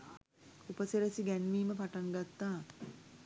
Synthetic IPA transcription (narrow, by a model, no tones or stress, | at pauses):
upəseɾəsiɡænʋiːməpaʈaŋɡat̪ːaː